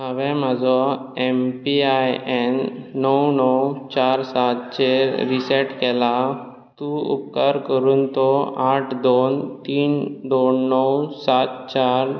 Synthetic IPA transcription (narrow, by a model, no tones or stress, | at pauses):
t̪əʋɛ̃m̤ad͡zɔempiajɛnːəwnɔwt͡ɕaɾsat̪t͡ɕeɾisɛʈkɛla | t̪ũṵpkaɾkəɾuːnt̪ɔaʈʰd̪ont̪iːnd̪onːəwsat̪̚t͡ɕaɾ